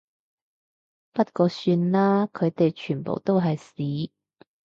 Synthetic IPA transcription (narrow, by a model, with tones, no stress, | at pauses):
pɐ˥t̚kɔː˧syː˧nlaː˥kʰɵ˨˧ɥt̪e˨jt͡ʃʰyː˨˩npo̰˨˩wt̪o˥wɦɐ˨jsiː˨˥